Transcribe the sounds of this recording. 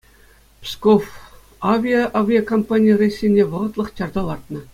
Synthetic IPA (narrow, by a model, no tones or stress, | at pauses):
pʲskof | avʲijaʔavʲijakompanʲijərʲesʲːenʲːeʋɤ̆ʁɤ̆t̪lˠɤ̆χt͡ɕʲɑrd̪ɑlˠɑrt̪nɤ̆